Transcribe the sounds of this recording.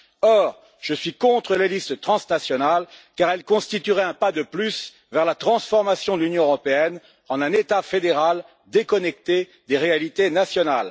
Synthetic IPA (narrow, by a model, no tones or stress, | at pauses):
ɔʁ | ʒ̥əsɥikɔ̃t̪χəlelist̪ət̪χɑ̃snasjɔnalkaʁɛlkɔ̃st̪it̪yʁɛɛ̃pad̪əplys | vɛʁlat̪χɑ̃sfɔʁmasjɔ̃d̪əlynjɔ̃øʁɔpeɛn | ɑ̃nɛ̃net̪afed̪eʁal | d̪ekɔnɛk̚t̪e | d̪eʁealit̪enasjɔnal